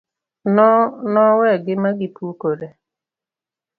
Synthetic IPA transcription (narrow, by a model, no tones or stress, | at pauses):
nɔnɔwɛɡɪmaɡɪipukoɾe